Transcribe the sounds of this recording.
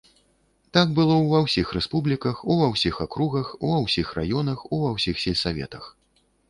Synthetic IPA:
t̪aɡ̚bɨlˠɔwvɐwsʲixrɛspublʲikɐxuvɐwsʲixakɾuɣɐxuvɐwsʲixra̰jɔnɐxuvɐwsʲixsʲilʲsavʲɛ̰t̪ɐx

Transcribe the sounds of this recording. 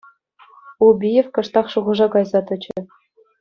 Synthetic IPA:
ubʲijefkɤ̆ʂt̪ɑχʂuʁɤ̆ʐɑkɑjzɑt̪ɘ̆t͡ɕɘ̆

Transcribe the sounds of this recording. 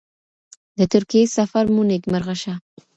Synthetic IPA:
d̪ət̪ʊɾkijesafaɾmunekmaɾɣaʃa

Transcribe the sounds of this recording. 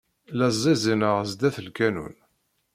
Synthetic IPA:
læzˤːizinəʁəzd̪æθəlkænṵn

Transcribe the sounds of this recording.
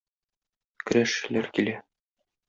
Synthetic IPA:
kɵ̆ɾæʃ̆læɾkilæ

